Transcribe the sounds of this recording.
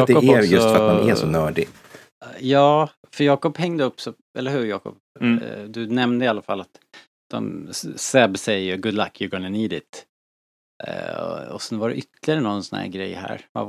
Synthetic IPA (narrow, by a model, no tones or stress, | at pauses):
jɑːd̪ɛɔɛɾjɵɔt̪aaɛsɔnœːɖɪ | jɑː | fœjɑːkɔphɛŋd̪əɵpːsɔ | ɛ̰ləɦʉ̟ːɾjɑːkɔ̰p | d̪ɵnɛmnd̪əɪalːafalːat̪ | d̪̥ɔ̰msɛbsɛjəɡʊd̪lakʰjəɡɔnəniːd̪ɪt̪ | ɔsɛnvaɖɛ̰ʔʏt̪ʰːlɪaɾənɔnsɔnhæ̰ːɾɡɾɛ̰jːhæ̰ːɾva̰